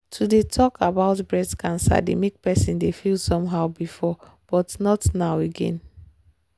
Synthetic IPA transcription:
tʰudetʰɔkʰabaʊtbɹɛdkʰãnsa̰dḛmek̚pɛsĩndefilˠsɔ̃mɦaʊbifɔ | b̥ɔtnɔtnaʊeɡɛ̰̃n

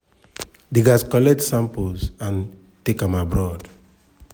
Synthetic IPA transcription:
diɡaskɔlɛk̚tsãmpolsãn | tekãmabɹɔd

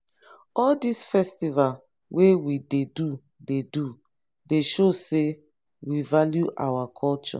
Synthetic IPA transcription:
ɔldisfɛstival | wʔewidedu | dedu | deʃose | wivaljuʔa̰wakʰɔlt͡ʃɔ̰

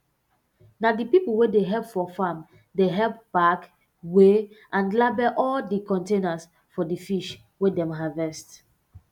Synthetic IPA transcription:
nadipipulwedeɦɛlpfɔfam | deɦɛlp̚b̥ak | weʔãnlabɛʔɔldikɔ̃ntenas | fɔdifiʃ | wedɛ̃mɦavɛst

